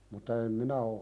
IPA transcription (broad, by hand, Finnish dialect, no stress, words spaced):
mutˑɑ em minæ o